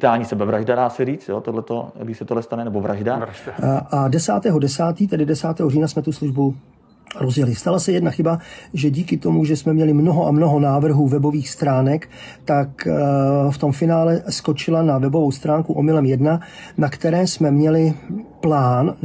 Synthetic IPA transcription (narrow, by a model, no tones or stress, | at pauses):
t̪aːlɲiːsɛbɛvɾaʒdadaːsɛɾiːt͡st̪jo̰ːt̪odlɛt̪o̰ɡdɪʃsɛt̪olɛst̪anɛnɛbovɾaʒda | ʔadɛsaːt̪ɛːɦo̞dɛsaːt̪iːt̪ɛdɪdɛsaːt̪ɛːɦoriːnasmɛt̪usluʒbu | ɾo̞zjɛlɪst̪alasɛjɛdnaxɪbaʒɛɟiːkɪt̪o̞muʒɛsmɛmɲɛlɪmno̞ɦo̞ʔamno̞ɦo̞naːvr̩ɦuːvɛbo̞viːxst̪ɾaːnɛkt̪ak | ft̪o̞mfɪnaːlɛsko̞t͡ʃɪlanavɛbo̞vo̞wst̪ɾaːŋkuʔomɪlɛmjɛdnanakt̪ɛɾɛːsmɛmɲɛlɪplaːn